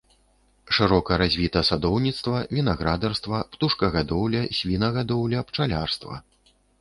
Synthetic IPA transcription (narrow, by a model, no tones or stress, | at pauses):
ʂɨɾɔkɐɾazʲvʲit̪ɐsad̪ɔwnʲit̪st̪vɐvʲinaɣɾad̪ɐrst̪vɐpt̪uʂkɐɣad̪ɔwlʲɐsʲvʲinɐɣad̪ɔwlʲɐpt͡ʂalʲarst̪vɐ̰